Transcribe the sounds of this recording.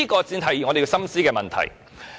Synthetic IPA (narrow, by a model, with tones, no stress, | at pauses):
i˥kɔː˧t͡siː˧nt̪ʰɐ˨˩jiː˨˩ŋɔ˨˧de˨jsɐ˥msiː˥kɛː˧mɐ˨nt̪ʰɐ̰˨˩j